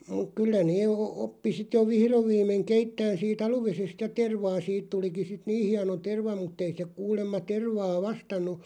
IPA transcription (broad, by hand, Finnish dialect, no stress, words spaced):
muk̆ kylːæ neː ŏ opːi sit jo ʋihroʋ ʋiːmˑeŋ̆ keitːæːn siːt ɑluʋesest jɑ terʋɑː siːt tuliki sit niː hiɑno terʋɑ mutːei se kuːlemːɑ terʋɑː ʋɑstɑnːu